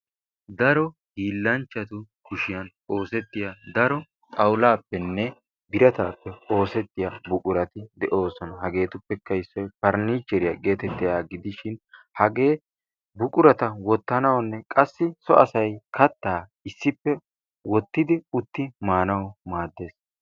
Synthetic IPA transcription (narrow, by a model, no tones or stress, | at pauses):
d̪ɐɾɔhiːlːɐnt͡ʃːɐt̪ʊ | kʊʃɪjɐn | o̞ːsɛt̪ːɪjad̪ɐɾɔ | t̪ʼɐwlaːpːɛnːɛ | bɪɾɐt̪aːpːɛo̞ːsɛt̪ːɪjɐbʊkʼʊɾɐt̪ɪd̪ɛʔo̞ːsɔnɐhɐɡe̞ːt̪ʊpːɛkːɐɪsːɔjpɐɾniːt͡ʃːɛɾɪjɐɡe̞ːt̪ɛt̪ːɪjaːɡɪd̪ɪʃɪn | hɐɡe̞ː | bʊkʼʊɾɐt̪ɐwɔt̪ːɐnɐwnːɛkʼɐsːɪsɔʔɐsɐjkʰɐt̪ːaː | ɪsːɪpːɛ | wɔt̪ːɪd̪ɪʊt̪ːɪmaːnɐwmaːd̪ːe̞ːs